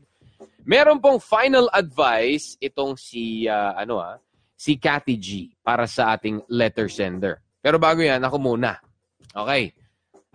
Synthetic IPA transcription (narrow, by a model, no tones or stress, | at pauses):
mɛːɾo̞npoŋfajnɐlɐd̪̚vajsɪt̪o̞ŋsiaʔɐno̞a̰ | sɪkat̪ɪd͡ʒipaːɾɐsɐʔaːt̪ɪŋlɛt̪ɛɹsɛnt̪ɛ̰ɹ | pɛːɾobaːɡojanɐko̞muːnɐ̰ | ʔoːkɛj